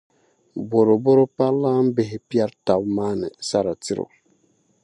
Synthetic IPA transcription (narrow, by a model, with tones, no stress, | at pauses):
bo˨ɾo˨bo˦ɾo˦pa˦lːa˦m̩˦bɪ˨ɦɪ˨pja˦ɾta˨bmaː˦nɪ˨sa˦ɾa˨ti˦ɾo̰˨